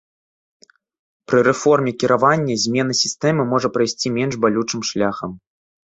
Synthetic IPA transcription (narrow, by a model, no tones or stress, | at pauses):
pɾɨɾɛfɔrmʲɛkʲiɾʔavanʲːɐzʲmʲɛn̪ɐsʲist̪ɛmɨmɔʐɐpɾajsʲt͡sʲimʲɛnʐbalʲut͡ʂɨmʂlʲaxɐm